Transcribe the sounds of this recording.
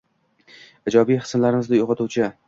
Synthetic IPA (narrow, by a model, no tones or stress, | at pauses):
ɪd͡ʒɒbijχɨ̥snlaɾɪmɪznɪjoqʰɑt̪uwt͡ʃʰɪ